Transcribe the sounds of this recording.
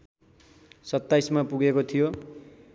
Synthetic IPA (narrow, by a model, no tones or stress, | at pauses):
sʌt̪ːajsmapuɡekot̪ʰijo